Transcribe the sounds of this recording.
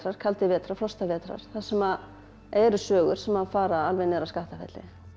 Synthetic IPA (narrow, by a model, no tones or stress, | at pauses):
ɾaɾ̥kʰalt̪ɪvɛːt̪ɾaflɔst̪avɛːt̪ɾa̰ɾ̥θasɛma | ɛɾʏsœːɣʏɾ̥sɛmafaːɾaalvɛnːɛɾaskaht̪afɛ̰t̪lɪ̰